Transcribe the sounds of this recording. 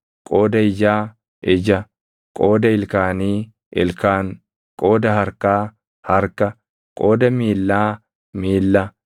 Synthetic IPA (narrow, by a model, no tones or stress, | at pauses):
kʼoːd̪ɐɪd͡ʒaː | ʔɪd͡ʒɐ | kʼo̞ːd̪ɐɪlkaːniː | ʔɪ̰lkaːŋ | kʼo̞ːd̪ɐɦɐɾkaː | hɐɾkɐ | kʼo̞ːd̪ɐmiːlːaː | miːlːɐ